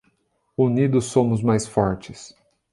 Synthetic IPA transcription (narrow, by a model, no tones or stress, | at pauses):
unid̪ʊsːõmʊzmajsfɔɾt͡ʃɪs